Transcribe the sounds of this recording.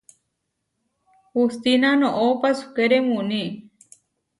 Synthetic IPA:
hust̪inanõʔopasu̥keɾemuni

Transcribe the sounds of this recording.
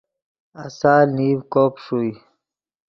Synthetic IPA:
asaːniːwkoːpʂui

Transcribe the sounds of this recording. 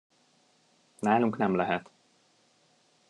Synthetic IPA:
naːluŋknɛmlɛɦɛt̪

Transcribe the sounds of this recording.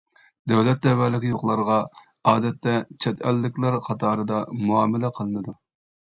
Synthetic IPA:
d̪ɛwlɛt̪̚ːɛwɛlɪkʲjoqlˠɑɾʁɑ | ɑːd̪ɛt̪ːɛt͡ʃʰɛt̪ɛlːɪkʲlæɾqʰɑt̪ʰɑːɾɨd̪ɑmuɑːmɛlɛqʰəlˠɨnɨd̪u

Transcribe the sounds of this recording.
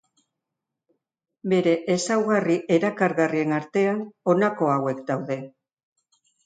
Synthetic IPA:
be̞ɾe̞ʔesawɣariʔe̞ɾakaɾɣarie̞naɾt̪e̞ano̞nako̞awe̞kd̪awðe̞

